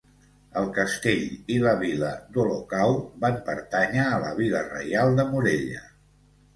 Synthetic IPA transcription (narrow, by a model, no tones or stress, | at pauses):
əlˠkəst̪eʎiləβiləd̪ulokawbampəɾt̪aɲəːləβ̞ilərə̰jalˠd̪əmuɾeʎə